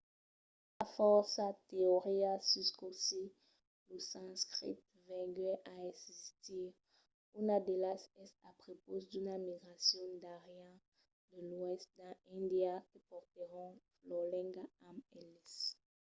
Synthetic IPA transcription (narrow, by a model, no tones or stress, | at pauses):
afɔʁsat̪eoʁiasyskosi | losãskʁḭt̪̚ | vɛ̃ɡɛʔaɛsist̪iʁ | unad̪elasɛsapʁopozd̪ynamiɡʁasjɔ̃d̪aʁjã | d̪əlwɛst̪̚d̪ãĩnd̪iakəpɔʁt̪əʁɔ̃flɔlɛ̃ɡaɛmɛlɛs